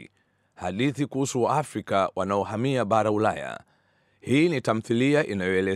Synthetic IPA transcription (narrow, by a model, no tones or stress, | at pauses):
haɗiθikuhusuaafɾikawanaɔhamiaɓaɾaulaja̰ | hiːnitam̩θiliaʔinajɔɛlɛ